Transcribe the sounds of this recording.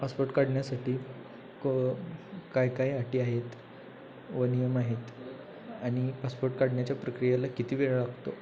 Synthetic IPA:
paspoɾʈkaɽɳjasaʈʰiː | ko | kajkaiaʈiːaɦet̪ | ʋənijəmaɦet̪ | aɽ̃ipaspoɾʈkaɽɳjat͡ɕjapɾəkɾijalakit̪ʰiːʋeɭɭaɡʱt̪o

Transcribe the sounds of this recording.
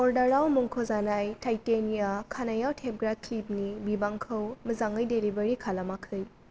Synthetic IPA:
ɔɾdaɾawmuŋkʰozanajtʰajtenijakʰanajawtʰep̚ɡɾaklip̚nibibaŋkʰɯwmɯzaŋɯjdeɾibɐɾikʰalamakʰɯj

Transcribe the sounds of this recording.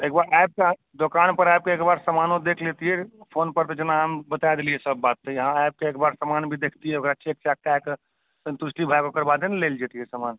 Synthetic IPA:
eːk̚baɾajb̚ke | d̪okanpəɾajb̚keekbaɾsəmanod̪ekʰlet̪iɦɛpʰonpəɾt̪ɔd͡ʒənaambət̪ajd̪eliɛsəbːat̪ːejəɦãajp̚keeːkbaɾsamanbʱid̪ekʰt̪iɦɛokɾaət͡ʃʰek̚t͡ʃak̚ʈɛk | sənt̪usʈibʱajkokəɾbad̪enleld͡ʒet̪iɦɛsaman

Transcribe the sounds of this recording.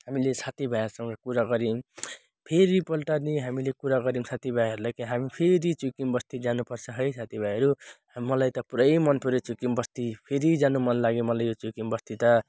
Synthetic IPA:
hamilesat̪ibʱajʌsʌŋɡʌkuɾaɡʌɾim | pʰeɾipʌlʈʌrniɦamilekuɾaɡʌɾimsat̪ibʱajɦʌɾulajkiɦamipʰeɾit͡sukimbʌst̪id͡zanupʌrt͡sʰʌɦʌjsʰat̪ibʱajɦʌɾu | mʌlajt̪ʌpuɾʌjmʌnpʰuɾet͡sukimbʌst̪ipʰeɾid͡zanumʌnlaɡemʌlajjot͡sukimbʌst̪it̪ʌ

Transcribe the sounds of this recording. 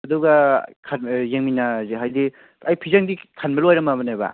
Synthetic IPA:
ɐduɡakʰanjeŋminaziɦajdi | ɐjpʰizaŋdikʰanbɐluajɾɐmabɐnaba̰

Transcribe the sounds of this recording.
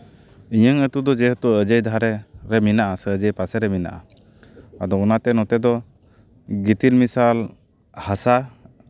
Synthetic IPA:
iɲəŋət̪ud̪ɔd͡ʒɛɦət̪uəd͡ʒəjd̪ʱaɾɛɾɛminaʔasəd͡ʒəjpasɛɾɛmina̰ʔa̰ | ad̪ɔːnat̪ɛnɔt̪ɛd̪ɔ | ɡit̪ilmisal | hasa

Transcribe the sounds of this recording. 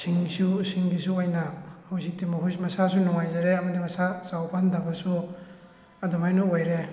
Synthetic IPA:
siŋsusiŋɡisuojnɐhawzik̚timɐɦujmɐsasunɔŋajzaɾeɐmɐdimɐsasawpʰandɐbɐsu | ɐdɔmajnuojɾe

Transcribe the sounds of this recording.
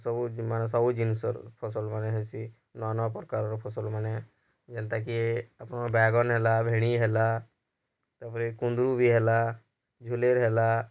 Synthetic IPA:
sɔbumanesɔbud͡ʒinsə̰ɾpʰɔsəlmaneɦesi | nɔanɔapɔɾkaɾɔɾpʰɔsəlmane | d͡ʒɛnt̪ak̬ieəpnabɛːɡɔnɦelabʱeɽ̃iɦela | t̪əpɾekũnd̪ɾubʱiɦela | d͡ʒʱuleɾɦela

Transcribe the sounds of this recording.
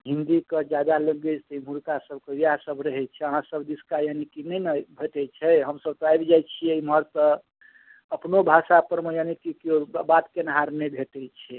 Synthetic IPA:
ɦind̪ikəd͡ʒad̪aləɡət͡ʃt̪əim̤uɾkasəb̚kəijaãsəbɾəɦɛt͡ʃʰɛəɦãsəbd̪iskajanikinənəbʱeʈ̪ɛt͡ʃʰɛɦəmsəb̚t̪ɔajbd͡ʒajt͡ʃʰieimɦəɾt̪ɔ | əpnobʱasapəɾmejanikikobat̪kenəɦaɾnɛbʱeʈɛt͡ʃʰɛ

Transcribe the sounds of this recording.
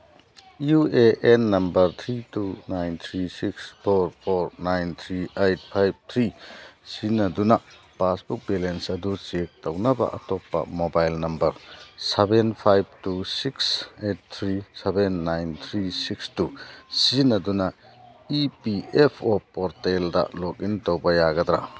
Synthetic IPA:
iueʔenːɐmbɐɾt̪ʰɾitunajnt̪ʰɾisikspʰoɾpʰoɾnajnt̪ʰɾiejt̚pʰajb̚t̪ʰɾisinɐdunɐ | pasbuk̚belensɐdut͡ʃek̚tɐwnɐbɐ̰ʔɐtɔpːɐ̰mobajlnɐmbɐɾsebenpʰajb̚tusikset̚t̪ʰɾisebenːajnt̪ʰɾisikstusinɐdunɐ | ipiepʰɔpːɔɾteldɐ̰lɔkintowbɐjaɡɐd̪ɾa̰

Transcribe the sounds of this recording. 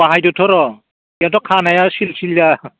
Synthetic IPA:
aɦajdɔtʰɔɾɔ | jatɔkʰanajasilsilja

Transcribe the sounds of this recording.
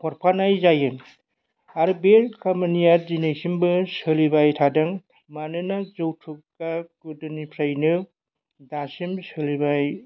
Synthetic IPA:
kʰɔɾpʰanajzajɯŋ | aɾbeɾkamɯnijaɾzinejsimbɯsɯlibajtʰadɯŋ | manɯnazɯwtʰukkːakɯdɯnipʰɾajnɯ | dasimsɯlibaj

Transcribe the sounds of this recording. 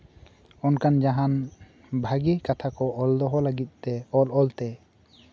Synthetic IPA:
ɔnkand͡ʒaɦan | bʱaɡikat̪ʰakɔʔɔld̪ɔɦɔlaɡit̪̚ˀt̪ɛɔlɔlt̪ɛ

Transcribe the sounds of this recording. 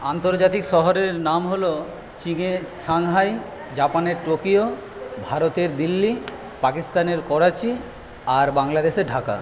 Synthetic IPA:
ant̪oɾd͡ʑat̪ikʃɔɦoɾeɾnamɦolo | t͡ɕiŋeʃaŋɦaj | d͡ʑapaneɾʈokio | bʱaɾot̪eɾd̪ilːi | pakist̪aneɾkɔɾat͡ɕi | aɾbaŋlad̪eʃeɾɖʱaka̰

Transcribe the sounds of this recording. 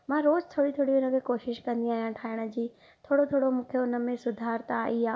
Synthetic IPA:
mãɾoːzt̪ʰoːɽit̪ʰoːɽiʊnə̆kʰeːkoːʃɪʃkɐ̃nd̪iaːɦijãʈʰaːɪɽ̃ə̆d͡ʑiː | t̪ʰoːɽot̪ʰoːɽomũːkʰeoʊnə̆mẽsʊd̪ʱaːɾt̪aiaː

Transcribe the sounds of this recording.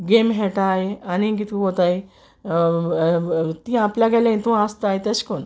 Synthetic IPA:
ɡemɦɛʈaeanikit̪kũɦot̪aj | t̪ĩapljaɡɛlãĩt̪ũast̪aɦjt̪eskon

